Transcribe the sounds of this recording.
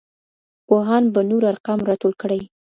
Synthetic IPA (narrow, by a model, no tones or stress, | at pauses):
poɦɑnbanuɾaɾqɑmɾɑt̪olkəɽaj